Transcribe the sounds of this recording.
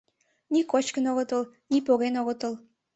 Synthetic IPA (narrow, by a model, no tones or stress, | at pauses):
nikot͡ɕkənoɣət̪əl | nipoɣenoɣət̪əl